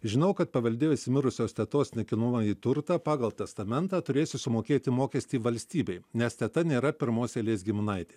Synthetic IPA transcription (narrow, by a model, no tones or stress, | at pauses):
ʒʲɪnɐʊkɐt̪̚pɐʋɐlʲd̪ʲeːjʊsʲɪmʲɪɾʊsʲoːsʲt̪ʲɛt̪oːsʲnʲɛkʲɪnʊmɐiːt̪ʊɾt̪ɑːpɑːɡɐlˠt̪ʲɛst̪ɐmʲɛnt̪ɑːt̪ʊɾʲeːsʲɪsʊmoːkʲeːt̪ʲɪmoːkʲɛsʲt̪ʲiːʋɐlʲsʲt̪ʲiːbʲɛɪnʲɛst̪ʲɛt̪ɐnʲeːɾɐpʲɪɾmoːsʲelʲeːs̬ɡʲɪmʲɪnɐɪt̪ʲeː